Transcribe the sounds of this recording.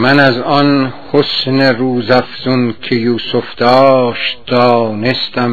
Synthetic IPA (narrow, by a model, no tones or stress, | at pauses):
mænæzɒnhosneruːzæfz̥unkʰejuːsofd̪ɒːʃt̪̚d̪ɒːnest̪æm